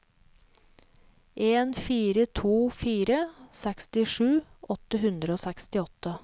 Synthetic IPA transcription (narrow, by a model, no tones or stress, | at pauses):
ʔeːnfiːɾət̪ʰuːfiːɾəsɛkst̪ɪʂʉːʔɔt̪əɦʉnd̪ɾəoːsɛkst̪ɪɔt̪ə